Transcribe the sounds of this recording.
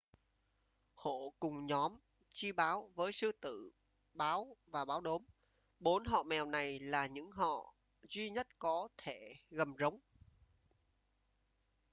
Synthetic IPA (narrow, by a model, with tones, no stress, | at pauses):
ho̰˧˨kʊ˨˩ŋ͡mɲɔ˨˦m | t͡ɕi˧ɓaː˨˦wvəː˨˦jsɨ˧t̪ɨ̰˧˨ | ɓaː˨˦wvaː˨˩ɓaː˨˦wɗo˨˦m | ɓo˨˦nɦɔ̰˧˨mɛ˨˩wna˨˩jlaː˨˩ɲɨ̰˧˥ŋɦɔ̰˧˨ | zwi˧ɲə˦˥t̚kɔ˨˦t̪ʰe˧˩ɣə˨˩mzə˨˦wŋ͡m